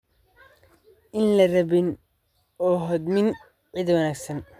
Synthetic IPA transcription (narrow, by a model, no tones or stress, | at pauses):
ʔɪnlɐrɐβɪn | ɔːɦɔd̪mɪn | ʕɪd̪wɐnaːɡsɐn